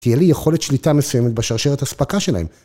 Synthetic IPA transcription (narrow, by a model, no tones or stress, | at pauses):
t̪ijɛlijeχo̞let̪ʃlitamesujemet̪̚beʃaʁʃeʁethaspakaʃela̰hem